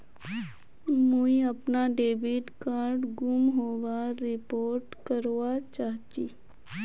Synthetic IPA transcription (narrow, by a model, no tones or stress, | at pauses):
muiɐpnaɖeːbiʈkaːɾɖɡʊmɦoːʋaɾɪpoːɾʈkəɾʋat͡ʃaːɦt͡ʃi